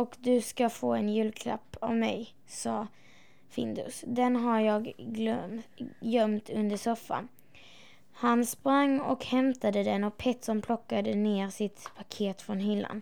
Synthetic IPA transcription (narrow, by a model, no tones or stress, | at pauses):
ɔkd̪ɵskafo̰ːɛnjʉ̟ːlkʰɾa̰pːavmɛj | sɑː | fɪ̰nd̪ɵ̰sd̪ɛnɦaɾjɑːɡlœjœmt̪ɵnd̪əʂɔfːa̰n | hanspɾaŋːɔkhɛmt̪ad̪əd̪ɛnɔk̚pʰɛt̪ːsɔmpʰlɔkːad̪əneːɾsɪt̪pʰakʰeːt̪fɾɔnɦʏlːa̰n